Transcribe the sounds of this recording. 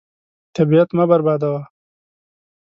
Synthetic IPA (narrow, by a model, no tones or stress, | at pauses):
t̪abiat̪mabɐɾbaːd̪awa